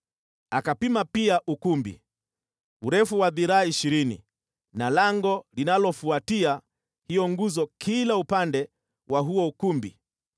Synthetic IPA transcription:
akapimapiaʔukumbḭ | uɾɛfuwaðiɾaːiʃiɾinḭ | nalaŋɡɔlinalɔfuatia | hijɔŋɡuzɔkʰilaupandɛ | waɦuɔukumbḭ

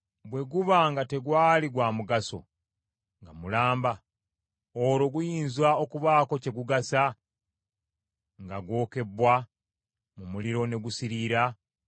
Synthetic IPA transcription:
bwe̞ɡuβaŋɡate̞ɡwaːliɡwaːmuɡaso̞̰ | ŋɡamulaːmba | oɾo̞ɡujiːnzwao̞kuβaːko̞ce̞ɡuɡasa | ŋɡaɡwo̞ːke̞bːwa | mumuliɾo̞ne̞ɡusiɾiɾa

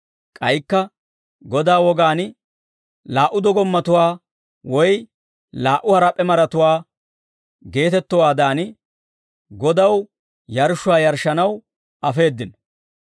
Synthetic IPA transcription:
kʼɐjkːɐ | ɡɔd̪aːwɔɡaːnɪ | laːʔʊd̪ɔɡɔmːɐt̪ʊwaː | wɔj | laːʔʊhɐɾɐpʼːɛmɐɾɐt̪ʊwaː | ɡe̞ːt̪ɛt̪ːɔwaːd̪aːnɪ | ɡɔd̪ɐw | jɐɾʃʊwaːjɐɾʃːɐnɐw | ʔɐfe̞ːd̪ːɪnɔ

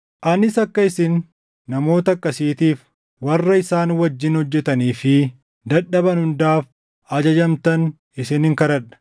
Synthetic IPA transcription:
ʔɐnɪsɐkːɐɪsɪnː | ɐmo̞ːt̪ɐɐkːɐsiːt̪iːf | wɐrːɐɪsaːnwɐd͡ʒːɪnhɔd͡ʒːɛt̪ɐniːfɪ | d̪ɐᶑɐbɐnhʊnd̪aːf | ɐd͡ʒɐd͡ʒɐmt̪ɐn | ɪsɪnɪŋkɐɾɐᶑɐ̥

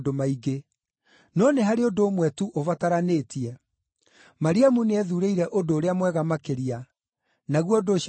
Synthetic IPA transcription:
domaiɡe | nɔneɦaɾeodoːmwɛtuʔovataɾaneːtiɛ | maɾiamuneɛðuɾeiɾɛʔodoːɾeamwɛɣamakeɾia | naɣwɔdoɕ

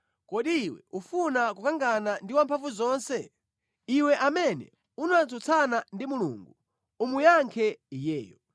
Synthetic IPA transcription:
kɔɗiːwɛ̰ufunakukaŋɡanandiwampʰaɱvuzɔːnsɛ | iwɛʔamɛnɛ̰ | unant͡sɔt͡sʰanandimulṵŋɡu | umujaŋkʰɛijɛːjɔ

